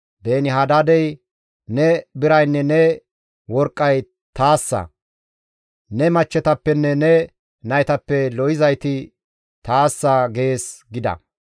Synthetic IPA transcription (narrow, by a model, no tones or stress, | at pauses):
b̪e̞ːnɪɦad̪ad̪ɛj | nɛbɪɾɐjnːɛnɛ | wɔɾkʼːɐj | t̪aːsːɐ̰ | nɛmɐt͡ʃːɛt̪ɐpːɛnːɛnɛ | nɐjt̪ɐpːɛlɔjɪzɐjt̪ɪ | t̪aːsːɐɡe̞ːsɡɪd̪ɐ̰